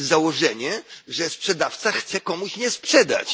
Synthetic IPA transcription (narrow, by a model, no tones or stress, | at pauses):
zawɔʐɛɲɛʐɛspʂɛd̪aft̪saxt̪sɛkɔmuɕɲɛspʂɛd̪a̰t͡ɕ